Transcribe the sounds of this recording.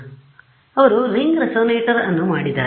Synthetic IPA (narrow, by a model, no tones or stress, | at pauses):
ɐʋɐɾuɾiŋɡɾɐsoːneːʈɐɾɐnːumaːɽid̪ːa̰ː